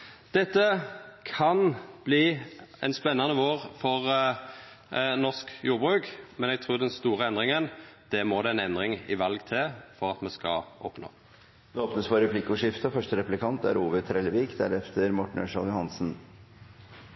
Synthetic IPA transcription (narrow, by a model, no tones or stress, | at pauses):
d̪̥ɛt̪ːəkʰɑnb̥liːɛ̰nspɛnːɑnəʋoːʁfɔʁ | nɔskjuːʁbʁʉːkmɛnɛɡ̚t̪ʰʁuːʁd̪ɛnst̪uːʁəɛnd̪ʁɪŋənd̪̥ɛmoːd̪ɛɛnɛnd̪ʁɪŋɪ̰ʋɑlɡt̪ʰɪlfɔʁɑt̪mɛskɑ̰ɔpno̰ː | d̪ɛoːpnəsfɔɾɛpʰlɪkʊʂɪft̪əfœʂʈəɾɛpʉlɪkʰɑnt̪æ̰ɾuːʋət̪ʰɾɛlːəʋiːkd̪æ̰ɾɛft̪ʰəɾmɔʈːɳ̩œ̰ʂɑljʊhɑnsn̩